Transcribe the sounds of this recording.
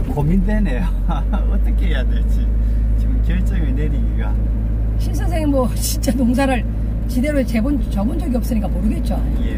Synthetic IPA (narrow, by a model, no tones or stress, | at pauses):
komindenejo | ʌt͈ʌkʰeɦejadeɭt͡ɕi | t͡ɕiɡɯmkjeɭt͡ɕ͈ʌɡiineniɡiɡa | ɕʰins̬ʰansʰeŋɯnmwʌ | t͡ɕint͡ɕ͈atoŋs̬ʰaɾɯɭ | t͡ɕide̞ɾot͡ɕe̞bont͡ɕʌbond͡ʑʌɡiʌp̚s͈ɯɲik͈amoɾɯɡe̞t̚t͡ɕ͈o | je